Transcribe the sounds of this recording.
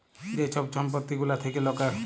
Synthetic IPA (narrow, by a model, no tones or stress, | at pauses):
d̪et͡ʃʰɔp̚t͡ʃʰɔmpɔt̪ːiɡulat̪ʰekelɔkaɾ